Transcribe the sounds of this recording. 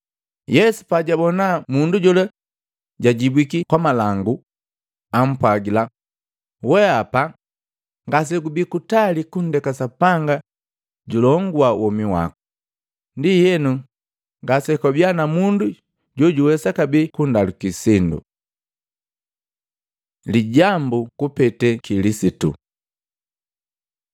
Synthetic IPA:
jɛsu̥paɟabɔnamunduɟɔla | ɟaɟibwikikwamalaŋɡu | am̩pwaɡila | wɛapa | ŋɡas̬ɛɡubikutalikundɛkasapaŋɡa | ɟulɔŋɡuawʔɔmiwa̰ku̥ | ndijɛnu | ŋɡasɛkɔbjanamundu | ɟɔɟuwɛsakabikundalukisindṵ | liɟambukupɛtɛkilisitṵ

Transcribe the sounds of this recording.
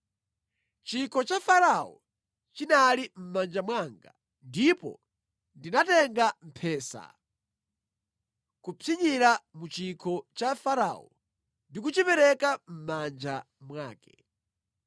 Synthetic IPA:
t͡ʃikʰɔt͡ʃafaɾaɔ̰ | t͡ʃinalim̩mand͡ʒamwaŋɡa̰ | ndipɔ̰ | ndinatɛŋɡam̩pʰɛːsa̰ | kupʰiɲiɾamut͡ʃikʰɔt͡ʃafaɾa̰ɔ̰ | ndik̬ut͡ʃipɛɾɛkam̩mand͡ʒa | mwaːkɛ̥

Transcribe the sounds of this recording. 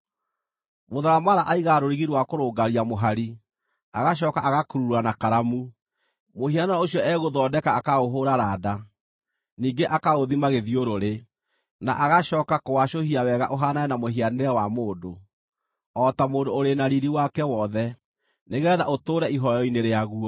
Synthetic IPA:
moðaɾamaɾaʔaiɣaɾoɾiɣiɾwakoɾoːɡaɾiamoɦaɾi | aɣaɕ̬ɔːkaʔaɣakuɾuɾuanakaɾamu | mohianeɛoɕijɔʔɛɣoðɔːdɛkaːkaɣoɦoɾaɾada | niːŋɡeʔakaoðimaɣeðioɾoɾe | na̰ʔaɣaʃɔːkakowaʃohiawɛɣaʔoɦanaɛnamoɦianeɾɛwamoːdo | ɔtamoːdoːɾenaɾiɾiwakɛwɔðɛ | neɣɛðaʔotoːɾɛiɦɔjɔineɾeaɣuɔ

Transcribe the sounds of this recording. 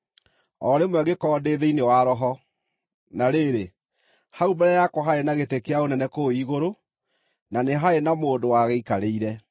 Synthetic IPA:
ɔɾemwɛɣekɔːdeːðeinewaɾɔɦɔ | naɾeɾe | haubɛɾɛjakwɔɦaenaɣetekeaonɛnɛkoiɣoɾo | naneɦaenamoːndowaɣeikaɾeiɾɛ

